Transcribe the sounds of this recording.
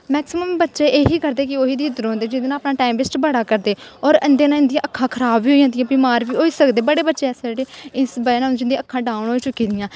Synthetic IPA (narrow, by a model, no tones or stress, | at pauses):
mɛːksɪməmbətːʃeːʔeːɦiːkəɾd̪eːkɪoːɦiːd̪iːɪd̪ɾõːnd̪eːd͡ʒɪnd̪eːnãːpnaːʈɛːmpɪsʈbəɽaːkəɾd̪eːɔːɾənd̪eːnãːɪ̃nd̪ijãːʔəkʰːãːkʰəɾaːbʋiːoːiãnd̪ijãːbimaːɾʋiːoːiːsəkd̪eːbəɽeːbətːʃeːɛːsed͡ʒɽeːɪsbəːnãːd͡ʒɪnd̪ĩəkʰːãːɖaːʊɳɦoːiːt͡ʃʊkːiːd̪ɪjãː